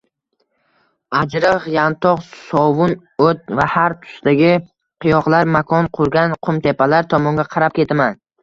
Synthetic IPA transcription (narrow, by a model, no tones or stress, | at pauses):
ad͡ʒɾɨχjant̪ʰɒqsɒvʊn | ot̪̚vahaɾt̪ʰʊ̥sd̪aɡʲɪ | qʰɨjɒqlˠaɾmakʰɒnqʰʊɾɡʲanqʰʊmt̪ʰe̞pʰalaɾt̪ʰɒmɒŋɡʲaqʰɑɾap̚kʲe̞t̪ʰaman